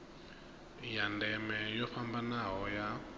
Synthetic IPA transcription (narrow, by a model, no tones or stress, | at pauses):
jandɛmɛjɔɸambanaɦɔja